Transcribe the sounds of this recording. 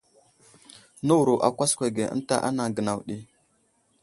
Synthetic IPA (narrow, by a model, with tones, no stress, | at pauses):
nə˦wu˨ɾu˨ʔa̰˨kʷa˦skʷe˨ɡe˨ʔə̰˦n˦ta̰˦ʔa̰˦na˨ɡə˨na˨wɗi˦